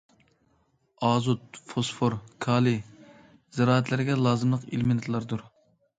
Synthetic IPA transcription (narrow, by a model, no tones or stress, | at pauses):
ɑːzut̪̚fosfoɾkʰɑːlˠi | z̥ɪɾɑːæt̪ʰlɪɾɡʲɛlˠɑːzɨmlˠəqḭlmɪnɨt̪ʰlˠɑɾd̪uɾ